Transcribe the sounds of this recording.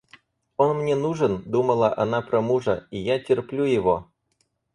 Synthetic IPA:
onmnʲenuʐənd̪uməlˠaʔɐ̰napɾomuʐəijatʲɪrplʲujɪvo̰

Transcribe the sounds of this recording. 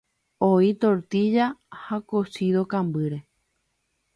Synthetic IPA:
oit̪oɾt̪id͡ʒahakosiðokãmbɨɾe̞

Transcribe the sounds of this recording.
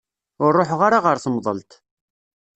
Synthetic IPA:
ʊɾːoħʁaɾaʁəɾθəmðˤə̰lt̪

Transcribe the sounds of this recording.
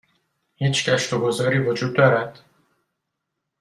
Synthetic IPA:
hiːt͡ʃʰcʰæʃt̪oɡo̞zɒːɾiːvo̞d͡ʒuːd̪̚ːɒːɾæd̪̥

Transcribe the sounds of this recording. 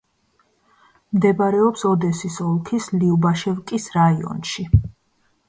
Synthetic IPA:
md̪ɛbaɾɛɔpsɔd̪ɛsisɔlˠkʰisliubaʃɛvkʼisɾaiɔ̰nʃi

